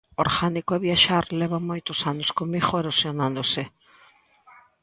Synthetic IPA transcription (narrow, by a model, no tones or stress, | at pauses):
oɾɣanikoeβjaʃaɾlɛβamojt̪ʊsanoskomiɣoeɾosjonãnd̪ose